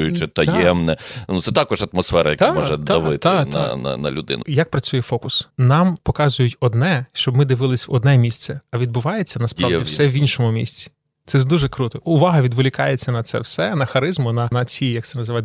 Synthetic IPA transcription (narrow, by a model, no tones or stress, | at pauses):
ʊjʊt͡ʃɪt̪ɐjɛmnɛnut̪sɛt̪akɔʒɐt̪mɔsfɛɾɐjɐkt̪mɔʒɛd̪ɐʋɪt̪ːnɐ̰nɐ̰nɐ̰lʲʊd̪ɪ̰nʊjɐk̚pɾɐt͡sʲujɛfɔkʊsnɑmpɔkɑzʊjʊtʲɔd̪nɛʃt͡ʃɔbmɪd̪ɪʋɪlˠɪsʲʋɔd̪nɛmʲisʲt̪sɛɐʋʲid̪bʊʋɑjet͡sʲːɐnɐspɾɑʋʲiwsɛʋinʃɔmʊmʲḭsʲt͡sʲi̥ | t̪sɛd̪uʒɛkɾut̪ɔʊʋɑɦɐʋʲid̪ʋolʲɪkɑjet͡sʲːɐnɐt̪sɛ̰wsɛnɐxɐɾɪzmʊnɐnɐt͡sʲijɐkt̪sɛnɐzɪʋɑt̪